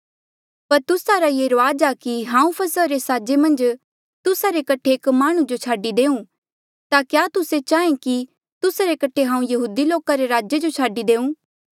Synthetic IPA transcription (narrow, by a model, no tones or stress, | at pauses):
pɐɾt̪ʊsaɾajeɾʋaːd͡ʒakiɦãːũpʰɐsəɾesaːd͡ʒemɐ̃nd͡ʒ | t̪ʊsaɾekɐʈʰeːkmaːɽ̃ũd͡ʒot͡ʃʰaːɖid̪eːũ | t̪akjaːt̪ʊset͡ʃaːẽki | t̪ʊsaɾekɐʈʰeɦãːũjɐɦuːd̪iloːkaɾeɾaːd͡ʒed͡ʒot͡ʃʰaːɖid̪eːũː